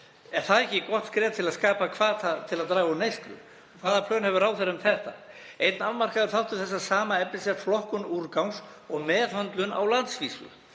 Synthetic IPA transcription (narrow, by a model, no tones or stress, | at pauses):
ɛɾ̥θaðɛhcɪkɔht̪skɾɛːt̪̚t̪ʰɪlaðskaːpakʰvaːðθaðt̪ʰɪlaðt̪ɾaːɣunejst̪ɾʏ̰ | ɔkʰvaːðapʰlœːnhɛvʏɾaːwθɛɾaʏmθɛht̪a | ejt̪nalmar̥kaðʏɾ̥θawht̪ɪθɛs̬ːasaːmaɛplɪsɛt̪flɔhkʏnuːɾkawns | ɔɣmɛːðhœnt̪lʏna̰wlant̪sviːsʏ̰